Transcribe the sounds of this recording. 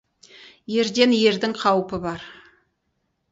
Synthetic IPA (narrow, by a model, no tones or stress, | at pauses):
je̞ɾd̪e̞nje̞ɾd̪ɪŋqʰɑwpəbɑɾ